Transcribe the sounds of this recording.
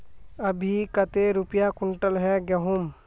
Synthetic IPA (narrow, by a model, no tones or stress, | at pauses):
əbʱikət̪eɾʊpjakʊɳʈəlɦɛɡɛɦʊm